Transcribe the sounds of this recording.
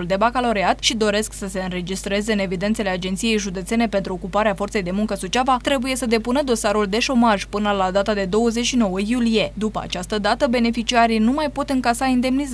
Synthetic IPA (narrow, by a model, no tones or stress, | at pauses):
uld̪e̞bakalo̞ɾiat̪ʃid̪o̞ɾe̞sksəse̞ɨnɾe̞d͡ʒist̪ɾe̞ze̞ɨne̞vid̪e̞nt̪sele̞ad͡ʒent̪sije̞jʒud̪e̞t̪se̞ne̞pe̞nt̪ɾuokupaɾeafo̞rt̪sejd̪e̞muŋkəsut͡ʃavat̪ɾe̞buje̞səd̪e̞punəd̪o̞saɾuld̪e̞ʃo̞maʒ̥pɨnəlad̪at̪ad̪e̞d̪o̞wəze̞t͡ʃʲʃino̞wəjulije̞d̪upəa̰t͡ʃast̪əd̪at̪əbe̞ne̞fit͡ʃiaɾinumajpo̞t̪ɨŋkasaind̪e̞mniz